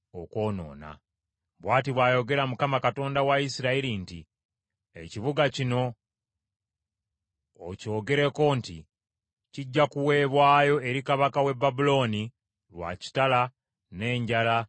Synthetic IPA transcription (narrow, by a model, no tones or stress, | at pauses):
oko̞ːno̞̰ːna̰ | βwaːtiβwaːjo̞ɡe̞ɾamukamakato̞ːndawaisiɾailintḭ | e̞̰ciβuɡacino̞ | co̞ːɡe̞ɾe̞ko̞nti | ciɟːakuwe̞ːβwaːjo̞e̞ɾikaβakawe̞bːabulo̞ːni | lwa̰ci̥tala | ne̞ːɲɟala